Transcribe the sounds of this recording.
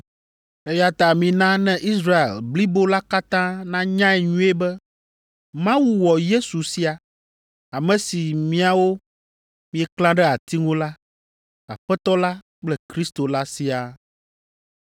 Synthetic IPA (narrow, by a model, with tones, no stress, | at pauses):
e˦ja˨t̪a˨mĩ˨nã˦nɛ̃˦ʔi˦s̬ɾa˦ḛ˨lbli˦bo˦la˦ka˦t̪ã˦nã˦ɲã˦ɛ˨ɲũ˦e˦bɛ˦ | mã˦wu˦wɔ˨je˦su˨si˦a˨ | a˨mɛ̃˨si˨mĩ˦a˨wo˦ | mĩ˦ɛ˦klã˦ɖɛ˦a˨t̪i˦ŋũ˦la˦ | a̰˨ɸɛ˦t̪ɔ˦la˦ | k͡plɛ˦kɾi˦st̪o˨la˦si˨a˨